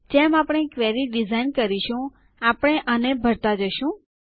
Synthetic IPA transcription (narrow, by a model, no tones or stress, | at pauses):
d͡ʒɛmapɽ̃ekʋeɾiɖizainkəɾiʃũ | apɽ̃eʔənebʱəɾt̪ad͡ʒəʃũ